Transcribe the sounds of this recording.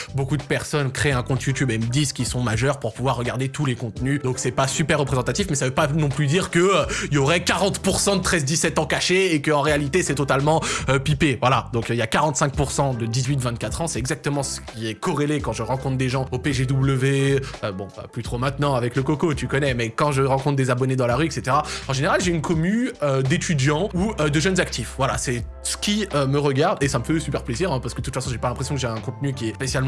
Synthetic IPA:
bokud̪əpɛʁsɔnkχeɛ̃kɔ̃t̪jut̪ybɛmd̪izkʲisɔ̃maʒœʁpuʁpuvwaʁːəɡaʁd̪et̪ulekɔ̃t̪nyd̪ɔ̃ksɛpasypɛʁːəpχezɑ̃t̪at̪ifmɛsavøpanɔ̃plyd̪iʁkəøilɔʁɛkaʁɑ̃t̪puʁsɑ̃d̪ət̪χɛzd̪isɛt̪ɑ̃kaʃeekəɑ̃ʁealit̪esɛt̪ɔt̪almɑ̃øpipevwalad̪ɔ̃kiljakaʁɑ̃t̪sɛ̃k̚puʁsɑ̃d̪əd̪izɥit̪vɛ̃t̪̚kat̪χɑ̃sɛt̪ɛɡzak̚t̪əmɑ̃sə̥kʲiɛkɔʁelekɑ̃ʒəʁɑ̃kɔ̃t̪χd̪eʒɑ̃opeʒed̪ubləveøbɔ̃a̰plyt̪χomɛ̃t̪nɑ̃avɛkləkɔkot̪ykɔnɛmɛkɑ̃ʒəʁɑ̃kɔ̃t̪χd̪ezabɔned̪ɑ̃laʁyɛkset̪eʁaɑ̃ʒeneʁalʒeynkʰɔmyød̪et̪yd̪jɑ̃uød̪əʒœnzak̚t̪ifvwala̰sɛ | sə̥kʲiøməʁəɡaʁd̪esaməfɛsypɛʁpleziʁɛ̃paʁsə̥kd̪ət̪ut̪fasɔ̃ʒepalɛ̃pχesjɔ̃kəʒeɛ̃kɔ̃t̪nykʲiɛspesjalm

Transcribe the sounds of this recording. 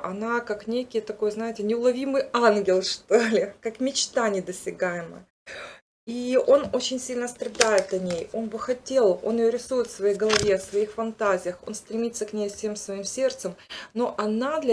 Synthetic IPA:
ʔɐnakaknʲekʲɪjət̪ɐko̞jznajɪtʲɪnʲɪʊlˠɐvʲimɨjanɡʲɪlˠʂt̪olʲɪkakmʲɪt͡ɕt̪anʲɪd̪əsʲɪɡajɪmə̰ | io̞no̞t͡ɕɪnʲsʲilʲnəst̪ɾɐd̪ajɪt̪ɐnʲejo̞nbɨxɐtʲe̞lˠo̞̰nɪjoɾʲɪsujɪt̪fsvɐjejɡəlˠɐvʲeɐfsvɐixfɐnt̪azʲɪjəxo̞̰nst̪ɾʲɪmʲit̪səknʲejssʲe̞msvɐimsʲe̞rt̪səmno̞ʔɐnad̪lʲ

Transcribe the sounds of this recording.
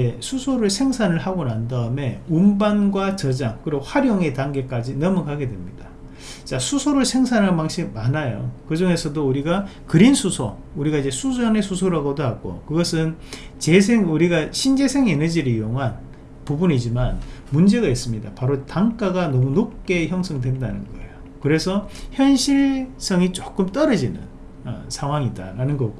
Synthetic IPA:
esʰusʰoɾɯɭsʰe̞ŋsʰanɯɭhaɡonandaɯme̞umbanɡwat͡ɕʌd͡ʑaŋkɯɾiɡoɸwaɾjoŋe̞taŋɡe̞k͈ad͡ʑinʌmukaɡe̞dwe̞mɲid̥a | t͡ɕasʰusʰoɾɯɭsʰe̞ŋsʰanɦanmaŋɕʰimanajo̰kɯd͡ʑoŋe̞sʰʌdouɾiɡakɯɾinsʰusʰo | uɾiɡaid͡ʑe̞sʰud͡ʑʌne̞sʰusʰoɾaɡodoɦaɡo̰kɯɡʌsʰɯnt͡ɕe̞sʰeŋuɾiɡaɕʰind͡ʑe̞sʰe̞ŋenʌd͡ʑiɾɯɭijoŋɦan | pubunid͡ʑimanmund͡ʑe̞ɡais͈ɯmɲidapaɾotaŋk͈aɡanʌmunop̚k͈e̞çjʌŋsʰʌŋdwe̞ndanɯnɡʌ̰ḛjo | kɯɾe̞sʰʌçjʌnɕʰiɭs͈ʌŋit͡ɕok͈ɯmt͈ʌɾʌd͡ʑinɯ̰n | ʌ̰sʰaŋɦwaŋida̰ɾanɯnɡʌɡo

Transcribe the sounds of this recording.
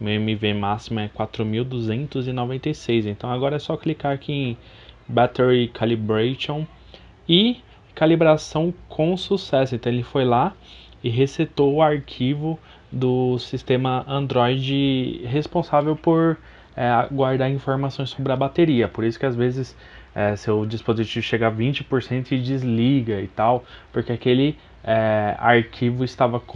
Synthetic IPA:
ẽmivemasimɐɛkwat̪ɾʊmiwd̪uzẽnt̪ʊzɪnovẽnt̪ejsejzẽnt̪ɐ̃w̃aɡɔɾɐɛsɔklikaɾakʰiẽj̃ | bat̪ɛɾikʰalibɾaʃõw̃ | ɪ | kalibɾasɐ̃w̃kʰõw̃susɛsʊẽnt̪ɐ̃elɪfojla | ɪɦeset̪owʊaɾkʰivʊ | d̪ʊsist̪ẽmɐɐ̃nd̪ɾɔjd͡ʒɪɦespõsavewpoɾ | ɛɡwaɾd̪aɾĩfoɾmasõj̃sobɾɪɐbat̪eɾiɐpoɾisʊ̥kɪazvezɪs | ɛsewd͡ʒispozit͡ʃivʊʃeɡavĩt͡ʃɪpoɾsẽnt̪ʊɪd͡ʒizliɡɐɪt̪awpoɾkeakelɪ | ɛa̰ɾkʰivʊɪst̪avɐ

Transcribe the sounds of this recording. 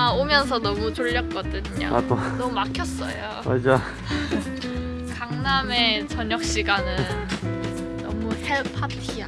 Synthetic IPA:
aomjʌns̬ʰʌnʌmut͡ɕoʎːʌk̚k͈ʌdɯɲa̰a̰tonʌmumakʰjʌs͈ʌ̰jo | mad͡ʑa | kaŋname̞t͡ɕʌɲʌk̚ɕ͈iɡanɯnː | ʌ̰muheɭpʰatʰia̰

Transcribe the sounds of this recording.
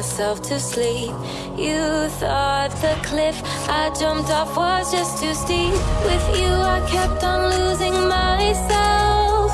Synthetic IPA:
sɛlˠftʰɨslip̚ | jɨθɔt̚ðəkʰl̥ɪf | ʔaɪd͡ʒʌ̃mp̚tɔfwʌzd͡ʒʌstʰɨsiwɪðjɨaɪkʰɛp̚tn̩luzɪ̃ŋmaɪso

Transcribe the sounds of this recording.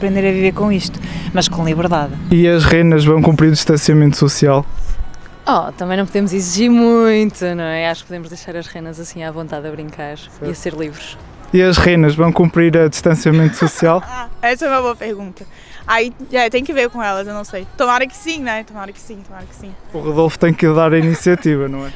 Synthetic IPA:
ɐpɾẽnd̪eɾɐviveɾkõiʃt̪u̥mɐʃkõlˠiβɨɾðaðiɐʒʁenɐʒvɐ̃w̃kũmpɾiɾud̪iʃt̪ɐ̃siɐmẽnt̪ususialˠ | ɔt̪ɐ̃mɐ̃j̃nɐ̃puðẽmuziziʒiɾmũj̃t̪unɐ̃w̃ɛaʃu̥k̚puðemuʒðɐjʃaɾɐʃʁenɐzɐsĩavõnt̪aðɐβɾĩŋkaɾ | iɐseɾlˠivɾuʃ | iɐʒʁenɐʒvɐ̃w̃kũmpɾiɾɐd̪iʃt̪ɐ̃siɐmẽnt̪u̥susialˠaɛsɐɛmɐβoɐpɨɾɣũnt̪ɐ | aiɛt̪ẽj̃kɨveɾkõɛlˠɐzewnɐ̃w̃sejt̪umaɾɐkɨ̥sĩñɛt̪umaɾɐki̥sĩt̪umaɾɐksĩuʁuðolˠfu̥t̪ɐ̃j̃kɨðaɾɐinisiɐt̪ivɐnɐ̃w̃ɛ

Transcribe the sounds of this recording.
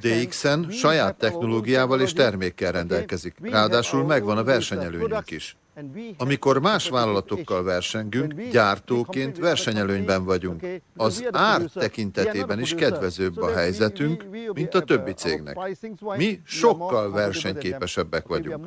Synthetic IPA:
d̪eiksɛnʃɒjaːt̪ːɛxno̞loːɡijaːvɒleːʃt̪ɛrmeːkːɛlrɛnd̪ɛlkɛzikraːd̪aːʃulmɛɡvɒnɒvɛrʃɛɲɛløːɲykiʃ | ɒmiko̞rmaːʃʋaːlɒlɒt̪o̞kːɒlvɛrʃɛŋɡyŋkɟaːrt̪oːkeːnt̪ʋɛrʃɛɲɛløːɲbɛɱvɒɟuŋkɒzaːrt̪ːɛkint̪ɛt̪eːbɛniʃkɛd̪vɛzøːbːɒɦɛjzɛt̪yŋkmint̪ɒt̪ø̞bːit̪sḛːɡnɛ̰kmiʃo̞kːɒlvɛrʃɛɲkeːpɛʃɛbːɛkʋɒɟṵŋk

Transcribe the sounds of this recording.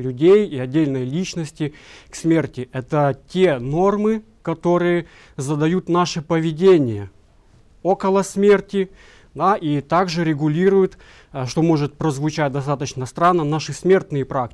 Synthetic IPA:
lʲʉdʲejiɐdʲːelʲnəjlʲit͡ɕnəsʲtʲɪksmʲe̞rtʲɪʔɛt̪ətʲeno̞rmɨ | kɐt̪o̞ɾɨjə | zəd̪ɐjut̪naʂɨpəvʲɪdʲenʲɪjə | o̞kəlˠəsmʲertʲɪ | d̪aʔit̪aɡʐɨɾʲɪɡʊlʲiɾʊjʊt̪ | ʂt̪o̞mo̞ʐɨt̪̚pɾəzvʊt͡ɕæt̚ʲd̪ɐst̪at̪ət͡ɕnəst̪ɾanːənaʂɨsmʲe̞rt̪nɨjəpɾak̚ʲ

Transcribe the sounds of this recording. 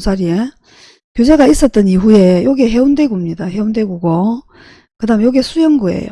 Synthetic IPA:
sʰaɾie | kjod͡ʑe̞ɡais͈ʌt̚t͈ʌniɸue̞joɡeɦeunde̞ɡumɲidaheundwe̞ɡuɡo | kɯdaɦɯmjoɡe̞sʰujʌŋɡue̞̰jo̰

